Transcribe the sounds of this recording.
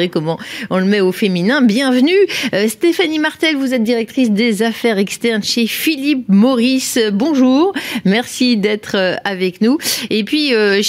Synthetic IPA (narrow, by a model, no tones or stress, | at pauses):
ʁekɔmɑ̃ɔ̃ləmɛofeminɛ̃bjɛ̃vnyøst̪efanimaʁt̪ɛlvuzɛt̪̚d̪iʁɛk̚t̪χisd̪ezafɛʁɛkst̪ɛʁnʃefilipmɔʁisbɔ̃ʒuːʁmɛʁsid̪ɛt̪χøavɛknuepɥiøʃ